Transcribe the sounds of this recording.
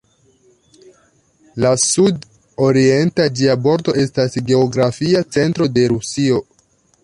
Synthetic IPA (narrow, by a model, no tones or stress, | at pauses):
lasud | o̞ɾie̞ntad͡ʒiabo̞ɾdo̞e̞stasɡe̞oɡɾafiat͡se̞ntɾo̞de̞ɾusio̞